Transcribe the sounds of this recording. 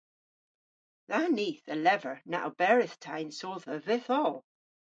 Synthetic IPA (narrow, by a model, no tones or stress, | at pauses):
ðaniθəlɛvə˞na̰ʔob̥ɛɹɪθtʰajnsolˠðəvɪθɔlˠ